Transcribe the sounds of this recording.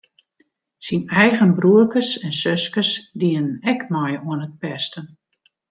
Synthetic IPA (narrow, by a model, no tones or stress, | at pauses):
sinɛjɣənbruəkəsɛnsøskəsdiənnɛkmɔjuənət̚pɛstən